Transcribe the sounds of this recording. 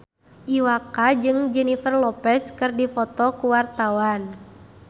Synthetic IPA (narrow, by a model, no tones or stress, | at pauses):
ʔiwakad͡ʒɨŋd͡ʒɛnifərlɔpɛskɨrdifɔt̪ɔkuwart̪awan